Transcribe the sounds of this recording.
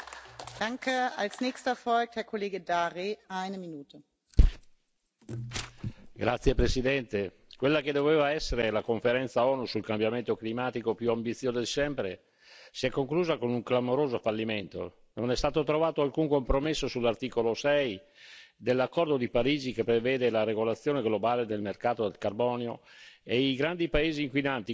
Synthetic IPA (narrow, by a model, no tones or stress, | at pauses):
d̥aŋkəalsnɛːçstəfɔlk̚thɛːɐkʰoleːɡədaːʁiʔaɪnəminuːtʰə | ɡɾat̪sːjepɾesid̪ɛnt̪e | kwelːaked̪oveːvaɛsːeɾelakoɱfeɾɛnt̪saɔːnusulkambjament̪oklimaːt̪ikopjuambit̪sːjoːzod̪elsɛmpɾe | siɛkːoŋkluːzakonuŋklamoɾoːzofalːiment̪o̰ | nonɛst̪aːt̪ot̪ɾovaːt̪oalkuŋkompɾomesːosulːart̪iːkolosɛj | d̪elːakːɔrd̪od̪ipaɾiːd͡ʒikepːɾevɛːd̪elaɾeɡolat̪sːjoːneɡlobaːled̪elmerkaːt̪od̪elkarbɔːneo̰eiɡɾand̪ipaeːziːŋkwinant̪i